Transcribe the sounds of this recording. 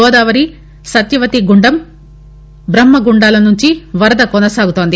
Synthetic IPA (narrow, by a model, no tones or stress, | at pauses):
ɔːd̪aːʋɐɾi | sɐt̪jɐʋɐt̪iɡuɳɖɐm | bɾɐmːɐɡuɳɖaːlɐnuɲt͡ʃiʋɐɾɐd̪ɐkɔnɐsaːɡut̪oːnd̪i